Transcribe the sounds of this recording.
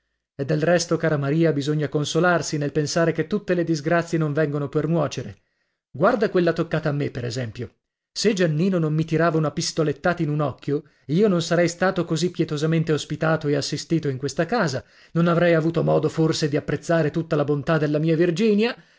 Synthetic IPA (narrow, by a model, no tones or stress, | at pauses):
ed̪ːelrɛst̪okaːɾamaɾiːabizoɲːakonsolarsinelpensaːɾeket̪ːut̪ːeled̪izɡɾat̪sːjenoɱvɛŋɡonopernwɔːt͡ʃeɾe | ɡward̪akwelːat̪okːaːt̪aːmːepːeɾezɛmpjo | sed͡ʒanːiːnonomːit̪iɾaːvaunapist̪olet̪ːaːt̪ainunɔkːjo | iːononsaɾɛjst̪aːt̪okozipːjɛt̪ozament̪eospit̪aːt̪oeasːist̪iːt̪oiŋkwest̪akaːza | nonavɾɛjavuːt̪omɔːd̪oforsed̪iapːɾet̪sːaːɾet̪ut̪ːalabont̪ad̪elːamiːavird͡ʒiːnja